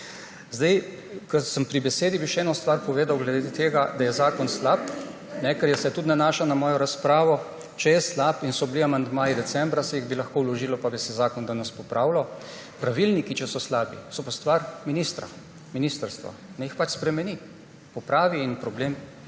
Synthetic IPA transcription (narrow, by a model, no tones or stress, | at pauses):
zd̪aj | kəsəmpɾibɛseːd̪ibiʃɛɛnɔst̪ʋaɾpɔʋeːd̪awɡlɛd̪ed̪et̪eːɡad̪ajɛzaːkɔnslap | nɛkɛɾjɛsɛt̪ut̪nanaːʃanamɔːjɔɾaspɾaːʋɔ | t͡ʃɛjɛslapinsɔbliamand̪maːid̪ɛsɛmbɾasɛjiɣbilaxkoːwlɔʒiːlɔpabisɛzaːkɔnd̪anəspɔpɾaːwlɔ | pɾaʋilnikit͡ʃɛsɔslaːbisɔpast̪ʋaɾminist̪ɾa̰ | minist̪əɾst̪ʋa̰nɛjixpat͡ʃspɾɛmɛni | pɔpɾaːʋiːnpɾɔbleːm